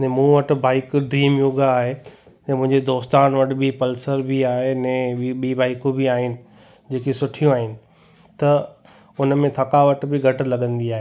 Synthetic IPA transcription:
nɛ̃ːmũːʋɐʈ̆baːɪkɖɾiːmjuɡaːɦe | nɛ̃mʊ̃ɦɪ̃ɲd͡ʑed̪oːst̪aːnʋɐʈbɪpɐlsəɾbʱiaːɦenɛ̃ːɓiːbaːɪkõbiaːɦɪnɪ̆ | d͡ʑeːkesʊʈʰijõaːɦɪnɪ̆ | t̪ɐ | ʊnmẽt̪ʰɐkaʋɐʈbɪɡʱɐʈɪlɐɠə̃nd̪iaːɦeː

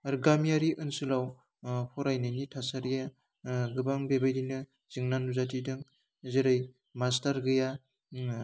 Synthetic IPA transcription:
aɾɡamijaɾiʔɯnsɯlaw | pʰɔɾajnɯjnitʰasaɾija | ɡɯbaŋbebajdinɯ | z̥ɯŋnanuzatidɯŋ | zeɾaj | mastaɾɡɯja

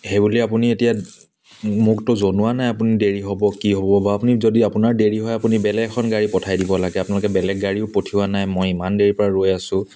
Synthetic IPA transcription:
hebuliapunietija | muk̚tʊzonʊwanajapunideɹiɦɔbɔkiɦobɔbaapunizodiapunaɹdeɹiɦɔjapunibɛlɛɡkʰɔnɡaɹipɔtʰajdibɔlaɡɛapʊnalʊkɛbɛlɛɡ̚ɡaɹiʊpotʰiwanajmojimandeɹipɔɹaɹojasʊ̃

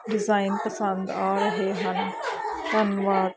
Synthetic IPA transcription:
ɖɪzaːɪnpəsə̃nd̪aːɾɐɦeɦɐnkɐnʋaːɾ

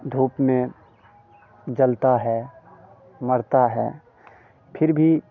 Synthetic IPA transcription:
d̪ʱuːpmẽ | d͡ʒəlt̪aɦɛː | məɾt̪aɦɛ̰ː | pʰɪɾbʱi

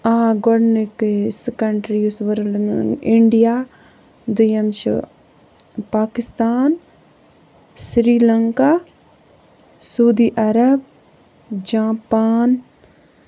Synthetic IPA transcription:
aːɡɔɖneksekɐɳʈɾiusʋɐɾlɪɳɖija | d̪ʊjɐmt͡ʃ | paːkɪst̪aːn | sɾiːlɐŋka | sɐud̪iːʔɐɾɐb | d͡ʒaːpaːn

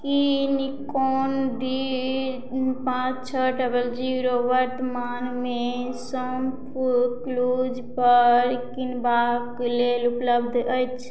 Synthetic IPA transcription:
kinikoːnɖi | pãt͡ʃt͡ʃʰəʈəbəld͡ʒiɾoʋəɾt̪maːnmẽ | səmpʰukluːd͡ʒpəɾkinbakleːlupləbd̪ʱəjt͡ʃʰ

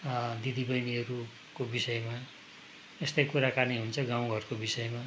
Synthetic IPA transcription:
d̪id̪ibʌjniʌɾu | kobisʌjma | est̪ʌjkuɾakaniɦunt͡sʰʌɡãw̃ɡʱʌrkobisʌjema

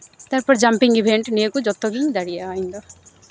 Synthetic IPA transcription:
t̪aɾpɔɾd͡ʒampiŋibʱeɳʈneekud͡ʒɔt̪ɔɡiŋd̪aɽijaːĩnd̪ɔ

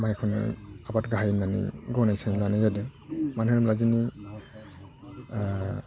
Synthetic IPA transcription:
majkʰɔn̰abatɡaɦajnanḭɡɔnajsanlanɯjadɯmanhɯɾɯmlazini

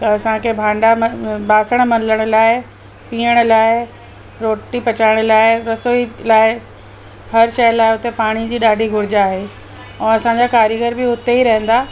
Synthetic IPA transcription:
ɐsãkʰebʱãːɳɖambaːsəɽ̃mɐ̃nləɽ̃ə̆laːɪ | piːəɽ̃̆laːɪ | ɾoːʈːipɐt͡ɕaːɪɽ̃̆laːɪɾɐsoːilaːɪ | hɐɾʃɐjəlaːɪɦʊt̪epaːɽ̃id͡ʑiːɗaːɖʱiɡʱʊɾɪd͡ʑaːɦe | ɛ̃ːɐsãɲd͡ʑakaːɾjəɡəɾbɪɦʊt̪eiɾɐɦə̃nd̪aː

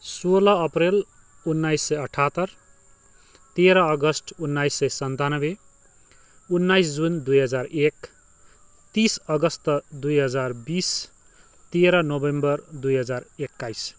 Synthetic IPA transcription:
solaʌprel | unːajsːʌjʌʈʰat̪ʌr | t̪eɾʌʌɡʌsʈunːajsːʌjsʌnt̪anʌbe | unːajsd͡zund̪ujɦʌd͡zarek | t̪isʌɡʌst̪ʌd̪ujɦʌd͡zarbis | t̪eɾʌnobembʌrd̪ujɦʌd͡zarekːajs

